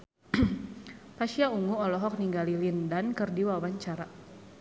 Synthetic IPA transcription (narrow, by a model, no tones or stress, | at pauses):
paʃiauŋuɔlɔɦɔk̚niŋɡalilindankɨrdiwawaɲt͡ʃaɾa